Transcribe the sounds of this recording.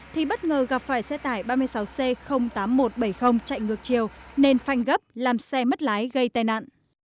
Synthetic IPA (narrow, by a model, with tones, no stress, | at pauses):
t̪ʰi˨˩ɓə˦˥t̚ŋəː˨˩ɣa˨˩p̚faː˧˩jsɛ˧t̪aː˧˩jɓaː˧mɨ˧əjsa˨˦wse˧xə˧wŋ͡mt̪aː˨˦mːo˨˩t̚ɓə˧˩jxə˧wŋ͡mt͡ɕa̰˧˨jŋɨ˨˩ək̚t͡ɕi˨˩əwne˧nfa˧˩jŋ̟ɣə˦˥p̚laː˨˩msɛ˧mə˦˥t̚laː˨˦jɣə˧jt̪aː˧jna̰ː˧˨nʔ